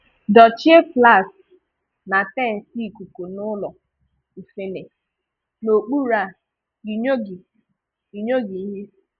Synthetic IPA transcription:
dɔ˨t͡ʃi˦e˦fla˦˨s | na˨tɛ˦˨n̩˨si˦˨ku˨ko˨nʊ˦lɔ˨ | i˨fe˦ne˨ | no˨k͡pu˦ɾa˨ | i˨ɲo˦ɡi˨ | i˨ɲo˦ɡi˨i˦ɦe˦

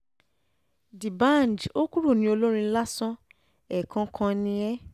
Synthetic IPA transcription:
di˨bã˦˨n˨d͡ʒo˦ku˦ɾu˦˨nĩ˧˦o˧lo˦ɾ̃ĩ˧˦la˦sɔ̃˦ | ɛ˨kʰã˧kʰã˧nĩ˧ɛ˦

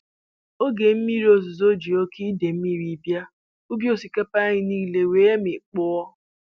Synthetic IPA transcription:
o˦ɡe˨m̩˦mi˦ɾi˦o˨zʊ˨zo˦d͡ʒi˨o˦kʰi˦de˨m̩˦mi˦ɾi˦bja˦ | u˦bjo˦si˨ke˦pa˦ɲɪ˦ni˦˨le˨we˨e˦me˨k͡pʊ˦ɔ˦

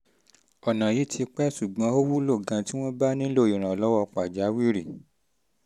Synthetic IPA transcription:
ɔ˨nã˨ji˨˦tʰi˧k͡pɛ˦ʃu˨ɡ͡bã˨˧˦o˦wu˦lo˦˨ɡã˧ti˦w̃ɔ̃˦ba˦nĩ˦lo˦˨i˨ɾ̃ã˨ɔ˨lɔ˦wɔ˧k͡pa˨d͡ʒa˨˦wi˦ɾi˦˨

